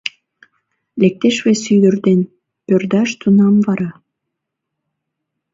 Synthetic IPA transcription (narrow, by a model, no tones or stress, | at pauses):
lek̚t̪eʃβesyd̪ərd̪en | pørd̪ɑʃt̪unɑmvɑɾɑ